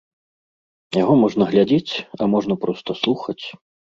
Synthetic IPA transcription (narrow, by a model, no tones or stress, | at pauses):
jaɣɔmɔʐnɐɣlʲad͡zʲet͡sʲɐ̰mɔʐnɐpɾɔst̪ɐslˠuxɐt͡sʲ